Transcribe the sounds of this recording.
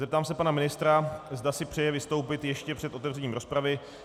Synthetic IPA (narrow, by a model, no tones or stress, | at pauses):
zɛp̚t̪aːmsɛpanamɪnɪst̪ɾazd̪asɪpr̥ɛjɛvɪst̪o̞wpɪt̪jɛʃcɛpr̥ɛt̪o̞t̪ɛvr̝ɛɲiːmɾo̞spɾavɪ